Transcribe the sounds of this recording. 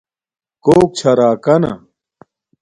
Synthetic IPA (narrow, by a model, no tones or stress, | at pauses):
koːk̚t͡ɕʰɐɾaːkɐnɐ̰